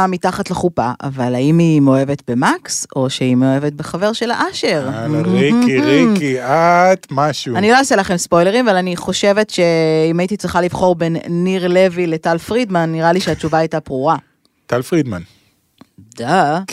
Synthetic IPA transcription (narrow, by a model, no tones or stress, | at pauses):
amitaχatleχupaʔa̰valaimimeoe̞vetbe̞makso̞ʃeimeoe̞vet̚beχave̞ʁʃe̞laʔaʃeʁʁikiʁikiat̪maʃuanilo̞aselaχemspo̞jle̞ʁimavalaniχo̞ʃe̞ve̞tʃe̞imaitit͡sʁiχalivχo̞ʁbe̞nːiʁle̞vile̞talfʁidmanːiʁaliʃeat͡ʃuvaajtapʁuʁa | t̪alfʁid̪man | d̪̥a